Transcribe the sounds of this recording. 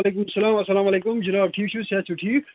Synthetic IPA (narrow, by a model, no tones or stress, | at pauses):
aleːkumɐsːɐlaːmɐsːɐlaːmɐleːkumd͡ʒɐnaːb̚ʈʰiːk̚t͡ʃʰusat͡ʃʰuʈʰiːk